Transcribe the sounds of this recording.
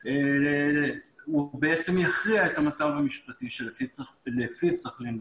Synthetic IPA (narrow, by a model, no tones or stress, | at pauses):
ubeet͡se̞mjaχʁiaet̪amat͡savamiʃpatiʃelfilefit͡saχlin